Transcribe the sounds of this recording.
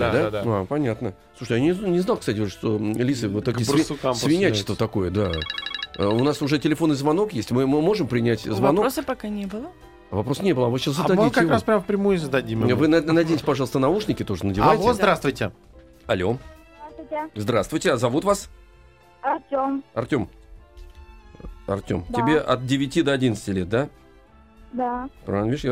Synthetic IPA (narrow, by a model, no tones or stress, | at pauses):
d̪aapɐnʲat̪nə | slˠuʂɨt̪ʲjanʲɪnʲɪznalˠkst̪atʲɪʂt̪olʲisɨvɨt̪okʲisasvʲɪnʲæt͡ɕɪ̥st̪vət̪ɐko̞jəd̪a | ʊnasʊʐɛtʲɪlʲɪfo̞nːɨjzvɐno̞kjesʲtʲmɨmmo̞ʐɨmpɾʲɪnʲætʲzvɐno̞osəpɐkanʲebɨlˠə | vɐpɾosə̥nʲe̞bɨlˠəɐvɨɕaszəd̪ɐdmitkkɾaspɾʲamfpɾʲɪmujʊzəd̪ɐdʲimvɨnanɐdʲejtʲɪpɐʐɑlˠst̪ənɐuʂnʲɪkʲɪt̪o̞ʐənədʲɪvajtɪozd̪ɾast̪vʊjtʲɪ | ɐlʲo̞zd̪ɾast̪vʊtʲɪzd̪ɾast̪vʊjtʲɪazɐvut̪vas | ɐrtʲomɐrtʲo̞m | ɐ̰rtʲo̰md̪ɪbʲeʔɐt̪̚dʲɪvʲɪtʲid̪əɐdʲinət̪sətʲɪlʲet̪̚d̪a | d̪apɾ̰anviʂja